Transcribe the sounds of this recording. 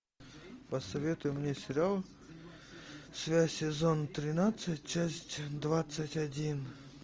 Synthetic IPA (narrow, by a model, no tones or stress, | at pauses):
pəsɐvʲe̞t̪ʊjʊmnʲesʲɪɾʲɪalˠ | svʲæsʲɪzont̪ɾʲɪnat̪sət̚ʲt͡ɕasʲtʲd̪vat̪sətʲɐdʲin